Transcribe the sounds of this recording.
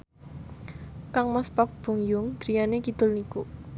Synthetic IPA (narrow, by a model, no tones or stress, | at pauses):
kaŋmaspak̚b̥ṳŋjʊŋd̪̥ɾijanekid̪̥ʊlniku